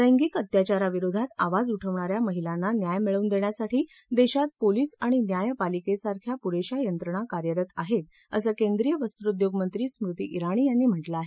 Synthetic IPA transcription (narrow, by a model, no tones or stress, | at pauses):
ɾəjŋɡiːkət̪jat͡ɕaɾaʋiɾod̪ʱat̪aʋad͡zuʈʰəʋɳaɾjaməɦilanːanjajmiɭəund̪eɳjasaʈʰiː | d̪eɕat̪̚poliːsaɽ̃injajpalikesaɾkʰjapuɾeɕajənt̪ɾəɳ̃akaɾjəɾət̪aɦet̪̚ | ə̰səːkend̪ɾijəʋəst̪uɾud̪joɡmənt̪ɾiːsmɾut̪ḭːʔiɾaɽ̃iːjanːiːm̤əʈləaɦe